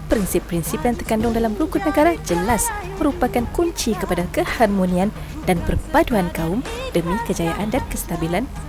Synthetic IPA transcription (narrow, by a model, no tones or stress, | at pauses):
pɾinsipːɾinsipjant̪ərkandʊŋdalamɾukʊt̪̚nəɡaɾad͡ʒəlasmə̃ɾupakankuɲt͡ʃikəpadakəharmonĩãn | danpərpaduankaʊm | d̥əmĩkəd͡ʒajaʔandankəst̪abilan